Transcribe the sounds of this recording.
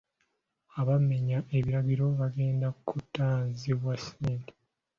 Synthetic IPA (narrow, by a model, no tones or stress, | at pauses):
aβame̞ɲaʔe̞βiɾaɡiɾo̞βaɡe̞ːndakutːaːnziβwasiːnti̥